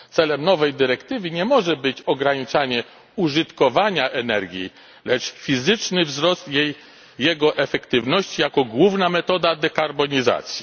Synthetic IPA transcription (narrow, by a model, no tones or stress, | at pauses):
t̪sɛlɛmnɔvɛjd̪ɘɾɛkt̪ɘvɘɲɛmɔʐɛbɘt͡ɕɔɡɾaɲit͡ʂaɲɛ | uʐɘt̪kɔvaɲaʔɛnɛɾɡʲjḭ | lɛt͡ʂfʲizɘt͡ʂnɘvzɾɔst̪jɛj | jːɛɡɔʔɛfɛkt̪ɘvnɔɕt͡ɕijakɔɡwuvnamɛt̪ɔd̪ad̪ɛkaɾbɔɲiza̰t̪sʲji